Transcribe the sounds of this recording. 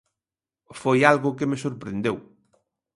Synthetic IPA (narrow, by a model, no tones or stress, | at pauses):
fojalɣʊkɪmesoɾpɾend̪ew